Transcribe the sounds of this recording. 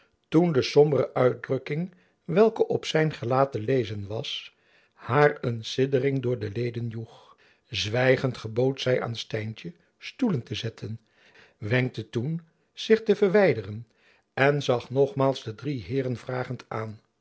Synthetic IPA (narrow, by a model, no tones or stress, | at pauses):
tundəsɔmbərəʔœɥt̚drɵkɪŋ | ʋɛlˠkəʔɔpsɛjnχəlaːtəlejzənʋɑs | haːɹənsɪdərɪŋdʊːɹdəlejdənjuχ | zʋɛjχəntχəbowtsɛjʔa̰ːnstɛjntə | stuləntəzɛtʰən | ʋɛŋk̚tətun | z̥ɪχtəvəɹʋɛjdərən | ɛnzɑχnɔχmaːlˠzdədriɦɪːɾənvraːχəntaːn